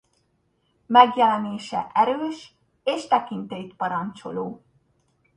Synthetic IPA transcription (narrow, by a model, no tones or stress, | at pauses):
mɛɡjɛlɛneːʃɛ̰ʔɛɾøːʃ | eːʃt̪ɛkint̪ejit̪pɒɾɒnt͡ʃo̰loː